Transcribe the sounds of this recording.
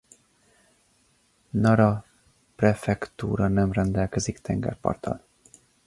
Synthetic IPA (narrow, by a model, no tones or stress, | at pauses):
nɒɾɒ | prɛfɛkt̪uːɾɒnɛmrɛnd̪ɛlkɛzikt̪ʰɛŋɡɛ̰rpɒ̰rt̪ʰɒ̰l